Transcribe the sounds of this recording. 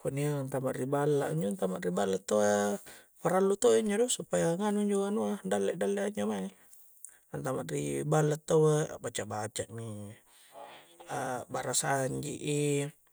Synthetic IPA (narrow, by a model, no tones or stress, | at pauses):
kuniant̪amaʔribalːaʔiɲd͡ʒunt̪amaʔribalːat̪ːoapaɾalːut̪oiɲd͡ʒɔdɔsupajaŋanuɲd͡ʒoɡanuadalːɛʔdalːɛʔaɲd͡ʒomani | ant̪amaʔribalːat̪ːaabat͡ʃaʔbat͡ʃaʔmi | abaɾasaɲd͡ʒḭʔi